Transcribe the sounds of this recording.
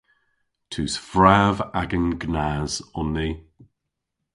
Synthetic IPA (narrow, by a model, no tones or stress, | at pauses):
tʰʉːsfɹaːvaɡənɡnaːzɔnːi